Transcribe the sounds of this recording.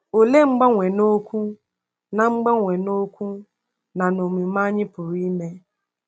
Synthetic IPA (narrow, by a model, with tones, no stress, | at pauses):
o˨le˦ŋ͡m̩˦ɡ͡ba˦ŋʷe˨no˦kʷu˦ | na˨ŋ͡m̩˦ɡ͡ba˦ŋʷe˨no˦kʷu˦ | na˨no˨mi˨ma˦ɲɪ˦pʊ˨ɾi˦me˦